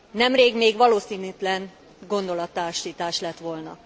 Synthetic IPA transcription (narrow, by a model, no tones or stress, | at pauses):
nɛmreːɡmeːɡʋɒloːsiːnyt̪lɛn | ɡo̞nd̪o̞lɒt̪ːaːʃiːt̪aːʃlɛt̪ʋo̞lnɒ